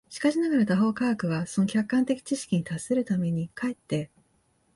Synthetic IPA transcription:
ɕi̥kaɕinaɡaɾat̪aɦo̞ːkaɡkɯ̟ɡaso̞no̞kʲakːãnt̪e̞kʲi̥t͡ɕiɕi̥kʲiɲ̟it̪asːe̞ɾɯ̟t̪ame̞ɲ̟ikaet̪ːe̞

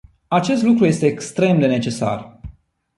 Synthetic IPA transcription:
at͡ʃe̞st̪lukɾuje̞st̪e̞ːkst̪ɾe̞md̪e̞ne̞t͡ʃe̞sa̰r

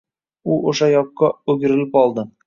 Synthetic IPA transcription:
uoʃɑjɒqːɑʉɡɘ̆ɾɘ̆lɪpɒlˠd̪ɤ

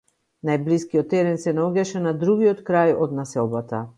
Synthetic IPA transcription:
najbliskiɔt̪ːɛɾɛnsɛnaɔɟaʃɛnad̪ɾuɡiɔt̪kɾajɔd̪nasɛlˠbat̪a

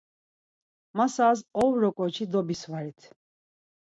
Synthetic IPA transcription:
masaːzɔvɾɔkʼɔt͡ʃʰid̪ɔbisvaɾit̪ʰ

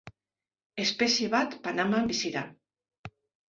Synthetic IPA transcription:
espesjeβat̪panamambisiɾa

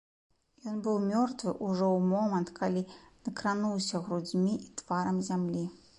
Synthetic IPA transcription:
jɔnbɨwmʲɔrt̪vɨʔuʐɔwmɔmɐnt̪kʰalʲinɐkɾanuwsʲɐɣɾud͡zʲmʲiʔit̪v̥aɾɐmzʲamlʲi

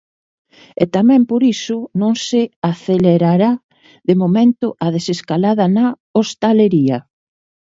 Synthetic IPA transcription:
et̪amɛ̃mpoɾisʊnõŋsɪaθeleɾaɾa | ðemomẽnt̪ʊʔað̞eseskalaðɐnɐ | ost̪aleɾiɐ

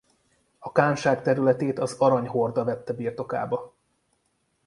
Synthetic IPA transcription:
ɒkaːnʃaːkt̪ɛɾylɛt̪eːt̪ɒzɒɾɒɲɦo̞rd̪ɒvɛt̪ːɛbiːrt̪o̞ka̰ːbɒ

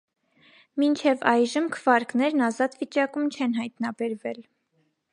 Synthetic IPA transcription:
mint͡ʃʰɛvɑjʒəmkʰəvɑɾknɛɾnɑzɑt̪vit͡ʃɑkumt͡ʃʰɛnɦɑjt̪nɑbɛɾvɛl

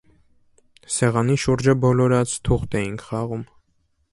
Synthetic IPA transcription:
sɛʁɑniʃuɾd͡ʒəbɔlɔɾɑt͡sʰt̪ʰuχt̪ɛjinkʰχɑʁum

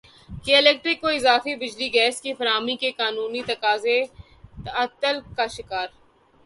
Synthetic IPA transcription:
keɪlɛːk̚ʈɾɪkːoɪzaːfibɪd͡ʒliɡɛːskifɐɾaːmikekaːnuːnit̪ɐkaːze | ɐt̪əlkaʃɪkaːɾ

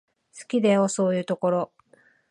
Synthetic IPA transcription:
sɨ̥kʲid̪eoso̞ːjɯ̟ːt̪o̞ko̞ɾo̞

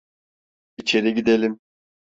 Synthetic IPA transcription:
it͡ʃʰe̞ɾiɟid̪elʲim

